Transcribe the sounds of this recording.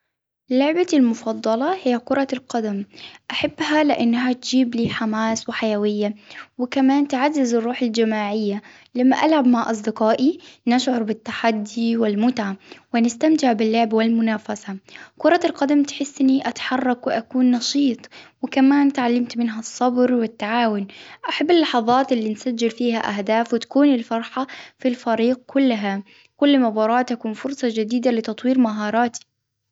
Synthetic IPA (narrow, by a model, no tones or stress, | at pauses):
lʊʕbalmʊfɑd̪ˤːɑlɑhɪjːakʊɾˤɑlqad̪amʔaħabːhalɪʔanːɦat̪d͡ʒiːbliːħamaːswɪħajawɪjːawɪkamaːnt̪ʕazːazɪrˤːuːħald͡ʒamaːʕɪjːa | lamːaʔalʕabmaʕʔɑs̬ˤd̪ɪqɑːʔinaʃʕʊɾˤbɪt̪ːaħad̪ːiwɪlmʊt̪ʕawɪnɪst̪amt̪ɪʕbɪlːʊʕbawɪlmʊnaːfasakʊɾˤɑt̪ɪlqɑd̪amt̪ħɪsːʔɪnːiʔat̪ḁħɑrˤːɑkwɪʔakuːnːɑʃiːt̪ˤwɪkamaːnt̪ʕalːamt̪mɪnɦasˤːɑbɾwɪt̪ːaʕaːwʊnʔaħabːɪlːɑħɑðˤɑːt̪ʔɪlːiːnsad͡ʒːɪlfiːhaʔaɦd̪aːfwɪt̪ḁkuːnɪlfɑɾˤħafilfaɾiːɡ̚kʰʊlːɦa | kʊlːmabɑːɾˤɑːt̪akuːnfʊɾsˤɑd͡ʒɪd̪iːd̪alɪt̪ɑt̪ˤwiːɾmaɦɑːɾˤɑːt̪i̥